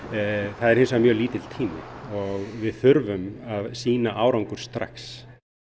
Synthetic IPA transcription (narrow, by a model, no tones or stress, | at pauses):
θaðɛɾhɪnsamjœːliːt̪ɪ̥t̪ʰiːmɪ̰ɔɣvɪðθʏɾvʏmaðsiːnaʔaːwɾawŋkʏɾ̥st̪ɾa̰xs